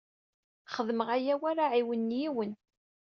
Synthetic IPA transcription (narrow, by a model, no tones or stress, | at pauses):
χəðməʁæjæwaɾaʕiwənːjiwən